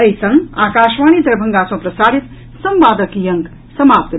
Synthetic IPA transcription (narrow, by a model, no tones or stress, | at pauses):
əjsʌ̃ŋaːkaːʃmañid̪ɐɾbʱʌŋɡasʌ̃w̃prɐsaːɾit̪ | sʌmʋaːd̪ʌkjʌŋk | sʌmaːp̚t̪